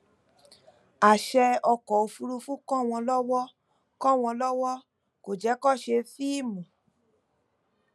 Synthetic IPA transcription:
a˨ʃɛ˧ɔ˧kɔ˨o˨˧fu˧ɾu˧fũ˦kɔ̃˦˨w̃ɔ̃˧lɔ˦wɔ˦ | kɔ̃˦˨w̃ɔ̃˧lɔ˦wɔ˦ | ko˨d͡ʒɛ˨˦kɔ˦˨ʃe˧fi˦i˦˨mũ˨

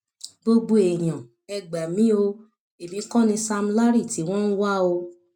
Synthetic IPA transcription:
bo˧ɡ͡bo˧e˨j̃ã˨ | ɛ˧ɡ͡ba˨mĩ˨˦o˧ | e˨mĩ˨˦kɔ̃˦nĩ˧sa˧m̩˧la˦ɾi˦˨ti˨˦w̃ɔ̃˦n̩˦wa˦o˧

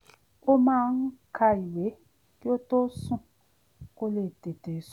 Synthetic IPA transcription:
o˦mã˦ŋ̩˦kʰa˦i˨we˨˦ | ko˦to˦sũ˦ | ko˦le˨te˨te˨s

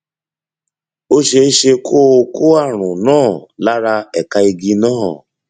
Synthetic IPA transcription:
o˦ʃe˧˦ʃe˧kʰo˦˧ko˦a˦˨ɾ̃ʊ̃˨nɔ̃ː˦˨la˦ɾa˧ɛ˨ka˧i˧ɡi˧nɔ̃ː˦ɔ˨

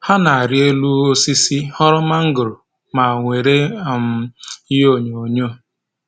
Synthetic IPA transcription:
ha˦na˨a˨ɾɪ˦e˦lu˦o˦si˦si˦hɔ˦ɾɔ˦ma˦ŋ̩˦ɡʊ˨ɾʊ˨ | ma˨ŋʷe˨ɾe˦˨m̩˦i˦o˦˨ɲo˨o˨ɲo˦˨

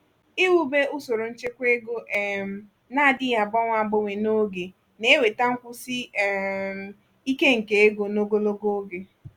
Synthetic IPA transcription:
i˦wu˦be˦ʊ˦so˨ɾo˨n̩˦t͡ʃe˦kʷe˦ɡo˦ʔm̩˨ | na˦˨dɪ˦ja˨bɔ˦ŋʷa˦˨ɡ͡bʊ˦ŋʷe˨no˦ɡe˨ | ne˦we˨ta˦ŋ̩˦kʷʊ˦si˦˨m˨ | i˦ke˦ŋ̩˨ke˨e˦ɡo˨no˦ɡo˦lo˦ɡo˦ɡe˨

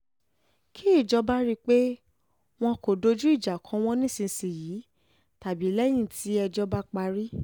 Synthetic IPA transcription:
kʰi˦i˦˨d͡ʒɔ˧ba˦ɾi˧k͡pe˦ | w̃ɔ̃˧ko˨do˧d͡ʒu˦i˦˨d͡ʒa˨kʰɔ̃˨˦w̃ɔ̃˦nĩ˦sĩ˧˦si˨jiː˨˦ | ta˨bi˨˦lɛ˦j̃ĩ˦˨tʰi˨˦ɛ˧d͡ʒɔ˧ba˦k͡pa˧ɾi˦

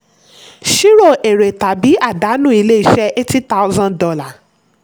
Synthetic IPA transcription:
ʃi˦ɾo˦˨ʔe˨ɾe˨ta˨bi˨˦a˦˨da˨˦nũ˦˨i˧le˦i˦˨ʃɛ˧ʔe˦ti˦ta˧ʊ˦zã˧ndɔ˧la˦˨

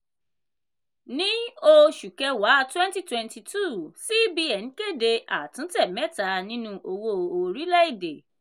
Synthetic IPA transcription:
nĩ˦o˧ʃu˨kɛ˧wa˨˦˧twɛ̃˦n˦ti˦twɛ̃˨˧nti˧tu˦˨si˦bi˧ɛ˨nĩ˨˦ke˦˨de˧ʔa˨tũ˨˦tɛ˦˨mɛ˦ta˨˦nĩ˦nũ˧ʔo˧wo˧o˨ɾi˨˦lɛ˦i˦˨de˨

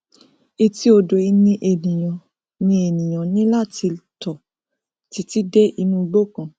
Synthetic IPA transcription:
i˧ti˦o˧do˨i˧nĩ˧ʔe˨nĩ˨j̃ã˨ | nĩ˧e˨nĩ˨j̃ã˨nĩ˦la˦˨ti˧tɔ˨ | ti˨˧˦ti˦dɛ˦ʔi˧nũ˧ɡ͡bo˦˨kã˨

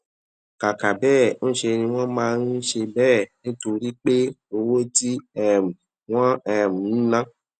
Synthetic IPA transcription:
ka˨ka˨bɛː˦˨ñ̩˦ʃe˧nĩ˧w̃ɔ̃˦mãː˦˧n˦ʃe˧bɛː˦˨nĩ˦to˧ɾi˦k͡pe˦o˧wo˦ti˦ɛ˦˨m̩˨ | w̃ɔ̃˦ɛ˨m̩˨˦nã˦

